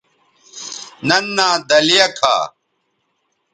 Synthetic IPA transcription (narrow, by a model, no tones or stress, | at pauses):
nɐnːaːd̪ɐlijɐkʰa̰ː